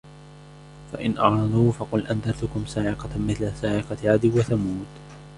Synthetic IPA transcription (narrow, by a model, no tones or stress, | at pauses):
fa̰ʔɪnʔɑʕɾˤɑd̪ˤuːfɑqʊlʔand̪aɾt̪ʊkʊmsaːʕɪqɑmɪθlasaːʕɪqɑʕad̪ɪwaθamuːt̪